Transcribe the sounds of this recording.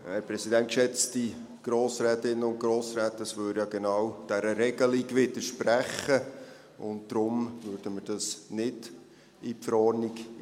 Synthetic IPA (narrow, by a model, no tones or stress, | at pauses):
hæːɾpɾɛsidɛnt̚kʃɛt͡sti | ɡ̥ɾoːsɾɛːtɪnːəʊn̚ɡ̥ɾoːsɾɛːt̚ːɑsʋøldjɑɡenɑwd̥æɾəɾɛɡ̥əliɡʋɪdəɾʃpræχə | ʊ̰ntd̥̪ɾʊmvøːɾd̥əməɾdɑsnɪd | ipfəɾɔrniɡ